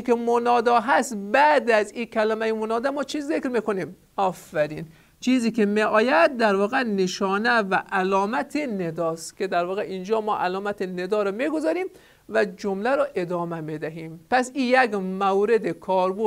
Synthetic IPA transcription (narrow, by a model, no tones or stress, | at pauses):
kemonɒːd̪ɒːɦæst̪bæd̪æziːkʰælæmæjemonɒːd̪æmɔːt͡ʃʰiːzzekɾmikonim | ɒːfːæɾiːn | t͡ʃʰiːziːkʰemeʔɒːjæd̪̚ːæɾvɒːɣeneʃɒːnævæʔælɒːmæt̪ʰened̪ɒːst̪kʰʲed̪æɾvɒːɣeʔind͡ʒɒːmɒːʔælɒːmæt̪ʰened̪ɒːɾɔmiɡozɒːɾim | væd͡ʒomlæɾɔːʔe̞d̪ɒːmæmid̪æɦiːmpæsiːjæɡmæwɾed̪ekʰɒːɾbo